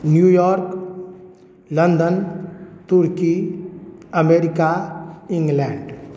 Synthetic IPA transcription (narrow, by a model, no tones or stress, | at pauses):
njujɔɾk | lə̃nd̪ənt̪uɾki | əmeɾikaĩŋɡlɛɳɖ